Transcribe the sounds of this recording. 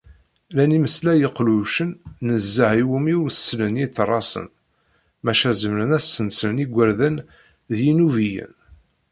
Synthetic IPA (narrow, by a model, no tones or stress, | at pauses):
læniməslæjəqluʃənːəzːəʕiwumiʊɾsːlənjiθrˤːɑsə̰n | mæʃæzəmɾənæsːənsəniɡʷːæɾðæn | ðjinuvijə̰n